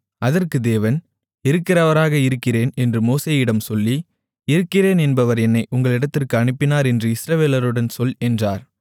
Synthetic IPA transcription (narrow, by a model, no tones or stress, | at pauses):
ʔɐðɐrkɯd̪eːʋɐn | ɪɾɯkːɪrɐʋɐɾaːɣɐɪɾɯkːɪreːnɛndrɯmoːseːjɪɽɐmsɔlːi | ɪɾɯkːɪreːnɛnbɐʋɐɾɛnːɐɪʔʊŋɡɐɭɪɽɐt̪ːɪrkɯɐɳɯpːɪnaːɾɛndrɯɪsɾɐʋeːlɐɾɯɽɐnsɔlɛndraːɾ